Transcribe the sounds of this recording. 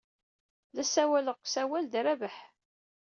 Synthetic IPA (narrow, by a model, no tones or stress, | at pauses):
læsæwæləʁsæwæld̪ɾævəħ